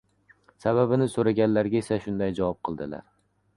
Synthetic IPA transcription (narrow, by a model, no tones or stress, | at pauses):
sababɪnɪsoɾaɡʲanlaɾɡʲaesaʃʊnd̪ajd͡ʒavɒp̚qʰɨlˠd̪ɪla̰ɾ